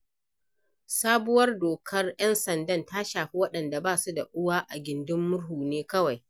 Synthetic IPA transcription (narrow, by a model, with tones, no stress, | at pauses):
saː˦bʊ˦wɐ˦rdoː˨kʰɐ˦rjɛ˦nsɐ˨ndɐ˦nta˦ʃaː˨ɸi˦wɐ˦ɗɐ˨nda˨baː˦su˦da˨ʔʊ˦waː˦ʔa˨ɡʲɪ˨ndɪ˦mːʊ˦ɽɦuː˨neː˦kɐ˦wa˨j